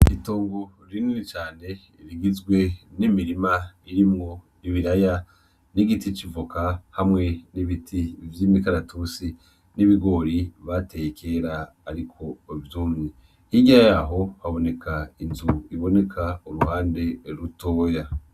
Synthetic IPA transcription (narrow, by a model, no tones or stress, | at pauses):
itoːŋɡo | ɾininit͡ʃaːne̞ | ɾiɡizɡwe̞nimiɾimaiɾimŋo̞niβiɾaja | niɡitit͡ʃivukahamŋe̞niβitʰivjimikaɾatusi | niβiɡo̞ɾiβate̞jkʰe̞ɾaː | ɾikʰo̞vjuːmŋe | hiɟaajaɦo̞haβo̞ne̞kʰainzuiβo̞ne̞kʰauɾuhaːnde̞ɾutoːja